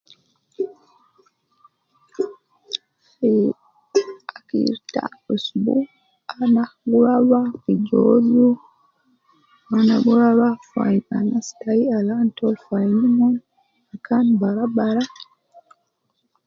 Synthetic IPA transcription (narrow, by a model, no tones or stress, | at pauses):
fi | akḭɾta̰usbṵ | anaɡuɾawakid͡ʒo̰zu | anaɡuɾawafaja̰nastaialantɔlfajnimɔn | akʰanbaɾabaɾa